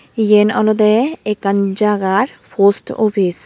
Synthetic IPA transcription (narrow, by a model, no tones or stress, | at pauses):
ijenɔlod̪eekand͡ʑaɡaɾpʰosʈɔ̰pʰis